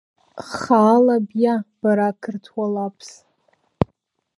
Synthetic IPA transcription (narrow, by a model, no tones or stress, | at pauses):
χaːlabjab̥aɾakʰɨrtʰwalapʰs